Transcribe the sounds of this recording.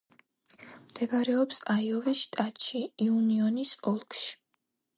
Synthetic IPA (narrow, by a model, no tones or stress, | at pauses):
md̪̥ɛbaɾɛɔpsaiɔvisʃt̪ʼat̪ʃiːuniɔnisɔlˠkʃi̥